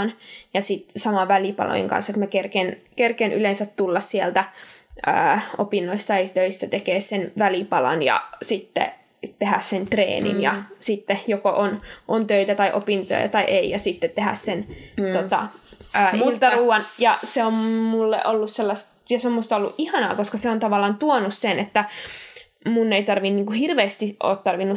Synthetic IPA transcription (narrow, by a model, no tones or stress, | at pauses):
njɑsit̪sɑmɑʋʋælipɑ̰lo̰jḛŋkɑ̰nsːet̪mækerkenkerkenʔy̰lensæt̪t̪ulːɑssiælt̪æø̰ːopinːoist̪ɑit̪øist̪æt̪ekeːssenʋælipɑlɑ̰njɑ̰sit̪ːḛ | t̪ehæssent̪rḛːnḭnjɑsit̪ːejokoʔonʔont̪øit̪æt̪ɑiʔopint̪o̰jɑ̰t̪ɑiʔeijɑsit̪ːet̪t̪ehæ̰ssent̪ot̪ɑ̰ʔøːult̪ːɑruːɑnjɑseommulːḛʔolːusselːɑst̪ | jɑseomːust̪ɑolːṵʔʔihɑnɑ̰ːkoskɑseont̪ɑʋɑlːˑɑːnt̪uonussenet̪ːæ | munːeit̪ɑrʋinːniːŋkuhirʋeːst̪iʔo̰ːt̪t̪ɑrʋinːu